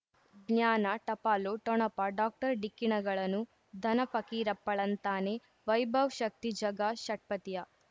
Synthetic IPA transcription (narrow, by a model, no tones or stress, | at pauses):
ɡnjaːnɐʈɐpaːloʈɔɳɐpɐɖaːk̚ʈɐɾɖikːiɳɐɡɐɭɐnːu | d̪ʱɐnɐpɐkiːɾɐpːɐɭɐnt̪aːne | ʋɐjbʱɐʋʃɐk̚t̪id͡ʒɐɡaʃɐʈ̚pɐt̪ijɐ